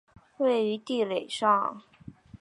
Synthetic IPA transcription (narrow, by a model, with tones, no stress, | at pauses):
we˥˩ɪy˧˥t̪i˥˩le˨˩ɪʂɑ˥˩ŋ